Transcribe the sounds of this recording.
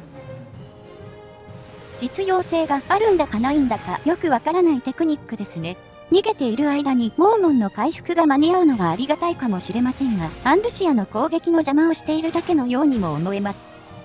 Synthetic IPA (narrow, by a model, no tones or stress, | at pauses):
d͡ʑit͡sɨjo̞ːse̞ːɡaaɾɯ̟̃nd̪akanoĩnd̪akajo̞kɯ̟βakaɾanait̪e̞kɯ̟ɲ̟ikːɯ̟d̪e̞sɨne̞ | ɲ̟iɡe̞t̪e̞iɾɯ̟aid̪aɲ̟imo̞ːmõ̞nːo̞kaiɸɯ̟̥kɯ̟ɡamaɲ̟iaɯ̟no̞βaːɾʲiɡat̪aikamo̞ɕiɾe̞masẽ̞ŋɡaãnɾɯ̟ɕiano̞ko̞ːɡe̞kʲino̞ʑamãoɕi̥t̪e̞iɾɯ̟d̪ake̞no̞jo̞ːɲ̟imo̞ːmo̞e̞masɨ̥